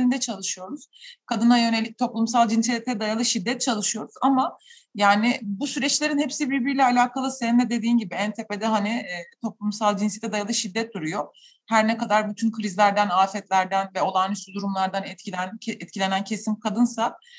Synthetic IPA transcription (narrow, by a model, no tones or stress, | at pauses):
ɾind̪ɛt͡ʃʰalˠɯʃɯjo̞ɾuz̥kʰad̪ɯnajø̞ne̞lʲic̚t̪ʰo̞plˠumsalˠd͡ʒinsɛt̪ʰɛd̪ajalˠɯʃid̪ːɛt̪̚t͡ʃʰalˠɯʃɯjo̞ɾuz̥ama | jaːnɪbusyɾɛt͡ʃlʲe̞ɾinhɛpsibiɾbiɾlʲɛalʲaːkʰalˠɯseind̪ɛd̪ed̪iːnɟibiɛnt̪ʰeːped̪ɛɦaniːt̪ʰo̞plˠumsalˠd͡ʒinsjɛt̪ɛd̪ajalˠɯʃid̪ːɛt̪̚d̪uɾujo | hæɾnɛkad̪aɾbyt̪ʰynkʰɾizlʲæɾd̪ænaːfɛt̪lʲæɾd̪ænvɛo̞lˠaːnysyd̪uɾumlˠaɾd̪anɛt̪ciænɛt̪̚cʰilʲenæncʰe̞simkʰad̪ɯnsa